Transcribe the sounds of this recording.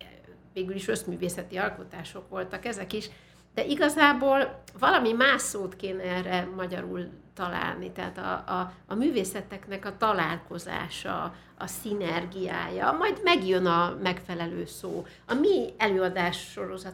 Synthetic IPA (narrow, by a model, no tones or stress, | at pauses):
veːɡyliʃø̞smyːveːsɛt̪iɒlko̞t̪aːʃo̞kʋo̞lt̪ɒkɛzɛkiʃ | d̪ɛʔiɡɒzaːboːlvɒlɒmimaːʃsoːt̪keːnɛɛrɛmɒɟɒɾult̪ɒla̰ːlnit̪ɛɦat̪ɒ̰ːmyːveːsɛt̪ɛknɛkɒt̪ɒlaːlko̞za̰ːʃɒ̰ | ɒsinɛrɡija̰ːjɒmɒjd̪mɛɡjønɒmɛkfɛlɛløːsoː | ɒmiɛløːɒd̪aːʃːo̞ɾo̞zɒ